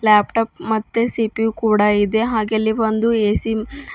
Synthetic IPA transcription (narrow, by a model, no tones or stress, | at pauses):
laːpʈɐːp̚mɐt̪ːesipiukuːɽaid̪e̞ɦaːɡelːiʋond̪ueːsi